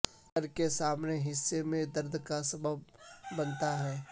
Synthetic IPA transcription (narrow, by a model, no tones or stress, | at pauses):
əɾkesaːmneɦɪsːemẽd̪ɐɾd̪ʱkasɐbəb̚ːɐnt̪aɦɛː